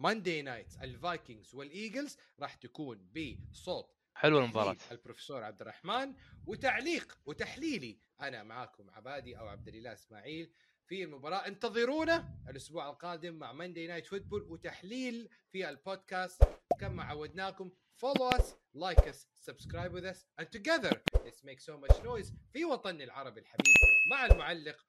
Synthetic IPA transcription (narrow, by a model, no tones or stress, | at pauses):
mand̪eːnajt̪alvajkɪŋɡzwɪlʔiːɡalz | ɾˤɑːħt̪akuːnbisˤoːt̪ˤ | ħɪlwamɪmbɑɾˤɑ̰albɾofsoːɾˤʕa̰b̚d̪ɪrˤːɑħmaːnwɪt̪aʕliːqwɪt̪aħliːli | ʔanamaʕaːkʊmʕa̰baːd̪iʔawʕa̰b̚d̪ɪlɪlːaːʔɪsma̰ːʕiːl | filmʊbɑɾˤɑːʔɪnt̪ɑðˤɨɾuːnaʔalʔʊsbuːʕalqɑːd̪ɪmːaʕmand̪ejnaːjt̪fʊt̪̚bʊlwɪt̪aħliːl | fialpoːd̪kaːst̪kamːaʕawːad̪naːkʊm | foloːas | lajkasːabskɾajbwɪðasʔãnt̪ʊɡɛðəɾlɪtsmeːksoːmat͡ʃnoːjzfiwɑt̪ˤɑnɪlʕɑɾˤɑbilħabiːbmaʕalmʊʕalːɪq